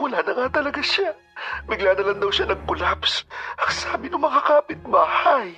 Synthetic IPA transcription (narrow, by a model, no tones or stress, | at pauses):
kʊlanɐŋat̪ɐlɐɡaʃa | bɪɡlaːnɐlɐŋd̪ɐwʃanɐɡ̚kʊlapsʔɐksaːbɪnʊŋmɐkakaːpɪt̪̚baːhaj